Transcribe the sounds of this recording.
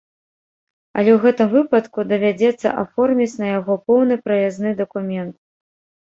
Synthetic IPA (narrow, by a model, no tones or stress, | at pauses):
ɐ̰lʲɛwɣɛt̪ɨmvɨpɐt̪kud̪ɐvʲad͡zʲɛt̪sːɐ̰ʔa̰fɔrmʲit͡sʲnɐjaɣɔpɔwnɨpɾɐjaznɨd̪ɐkumʲɛnt̪̚